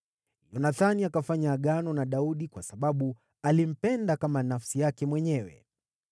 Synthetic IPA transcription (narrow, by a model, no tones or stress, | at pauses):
jɔnaθaniakafaɲaːɠanɔnaɗauɗikwasaɓaɓu | alim̩pɛndakamanafsijakɛmwɛɲɛwɛ̰